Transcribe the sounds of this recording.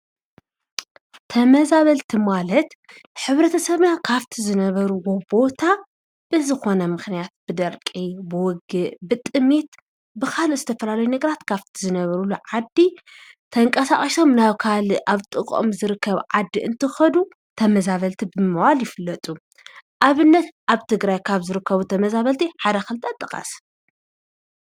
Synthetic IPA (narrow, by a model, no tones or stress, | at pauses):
t̪ʰɐmɐzaβɐlt̪ʰimalɐt̪ | ħɨβɾɐt̪ʰɐsɐβjakʰaβt̪ʰizɨnɐβɐɾuwobo̞t̪ʰa | b̥ɨzɨxo̞nɐmɨxnijat̪̚b̥ɨd̪ɐɾkʼibɨwɔɡɨʔbɨt̪ʼɨmet̪ | bɨkʰaluzɨt̪ʰɐfɐlalɐjunɐɡɐɾat̪kʰaβt̪ʰizɨnɐβɐɾulːuʕad̪ːi | t̪ʰɐŋkʼɐsaχʼɐʃo̞mnaβkʰalʔaβt̪ʼɨkʼo̰mzɨɾɨkʰːɐβʕad̪ːiʔɨnt̪ʰɨxɐd̪u | t̪ʰɐmɐzaβɐlt̪ʰibɨmɨwaljɪfɨlːɐt̪ʼu | ʔaβɨnːɐt̪ʔaβt̪ʰɨɡɾajkʰaβzɨɾɨkʰːɐβut̪ʰɐmɐzaβɐlt̪ʰiħad̪ɐxɨlt̪ʰat̪ʼɨkʼa̰s